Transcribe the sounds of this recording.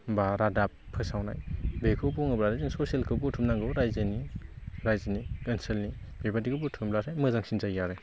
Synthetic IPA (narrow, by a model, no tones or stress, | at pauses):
baɾadapʰːɯsawna̰jbekʰɯwbuŋɯbɾaɾɯzɯŋsɔsielkʰɯbutʰɯmnaŋɡɯwɾajzeniɾajzanikɯnselni | bebadikʰɯbutʰɯmblaɾʰajmɯzaŋsinzajjaɾɯ